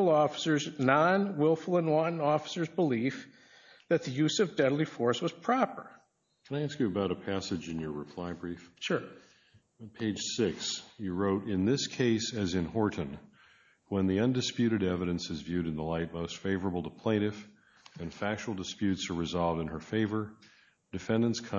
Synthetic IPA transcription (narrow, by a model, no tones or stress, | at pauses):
l̩ˠɔfə̥sə˞znɑ̃nwɪlˠfl̩ˠə̃nwɑ̃ʔn̩ɔfə̥sə˞zbəlif | ðɨt̪̚ðɨjʉzʌvdɛdˡlˠifɔɹswʌz̥pʰɹ̥ɑpə̰˞ | kʰə̃naɪæskjɨːbaʊɾɨpʰæsɨd͡ʒɨ̃njə˞ɹɨpʰl̥aɪbɹifʃʊɹ | pʰeɪd̥ʒ̥sɪksjɨɹoʊɾɪ̃nðɪskʰeɪsɨzɨ̃nhɔɹʔn̩ | wə̃nðiʌ̃ndɨspjʉɾɨɾɛvɨɾɨ̃nsɨzvjʉɾɨ̃nðəlaɪt̚moʊstfeɪvə˞əbl̩ˠtʰəpʰl̥ẽɪ̃ɾ̃ɨf | ɨ̃nfækʃl̩ˠdɨspjʉtsə˞ɹɨzɑlˠvdɨ̃nə˞feɪvə˞ | d̥ɨfɛ̃ndɨ̃nskʰ